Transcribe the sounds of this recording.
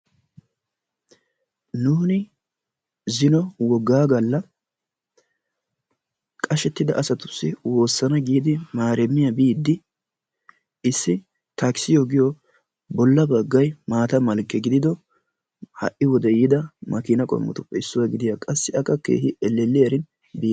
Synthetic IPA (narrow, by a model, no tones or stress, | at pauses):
nuːnɪ | zɪnɔwɔɡːaːɡɐlːɐ | kʼɐʃɛt̪ːɪd̪ɐʔɐsɐt̪ʊ̥sːɪwo̞ːsːɐnɐɡiːd̪ɪmaːɾɛmːɪjɐbiːd̪ːɪ | ɪsːɪ | t̪ɐksɪjɔɡɪjɔ | bɔlːɐbɐɡːɐjmaːt̪ɐmɐlkːɛɡɪd̪ɪd̪ɔ | hɐ̰ʔɪwɔd̪ɛjɪd̪ɐmɐkɪnɐkʼɔ̰mːʊ̰t̪ʊpːɛɪsːʊwɐɡɪd̪ɪjakʼɐsːɪɐkːɐkːḛːhɪʔɛlːɛlːɪjɐɾɪn | biː